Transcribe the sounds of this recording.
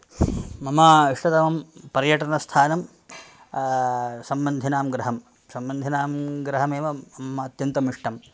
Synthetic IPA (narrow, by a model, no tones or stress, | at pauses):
mɐmaːiʂʈɐt̪ɐmɐmpɐɾjɐʈɐnɐst̪ʰaːnɐm | sɐmbɐnd̪ʱinaːmɡɾɐɦɐm | sɐmbɐnd̪ʱinaːmɡɾɐɦɐmeːʋɐɐmːɐːt̪jɐnt̪ɐmiʂʈɐm